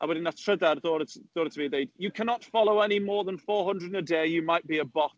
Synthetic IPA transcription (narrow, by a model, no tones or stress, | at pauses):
ʔawɪɾɪ̃nətʰɹ̥ədəɾðɔːɾɪtðɔːɾɪtʰəbiðeɪdjəkʰanɔtfɔlˠoʊɛnimɔːðə̃nfɔːɦə̃ndɹəd̃nədeɪjəmaɪʔ̚b̥iəbɔθ